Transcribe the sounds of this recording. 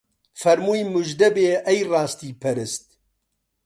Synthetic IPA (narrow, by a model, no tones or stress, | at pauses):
fɐɾmuːjmʊʒd̪ɐbeːʔɛjrɑːst̪iːpʰɐɾɨst̪̚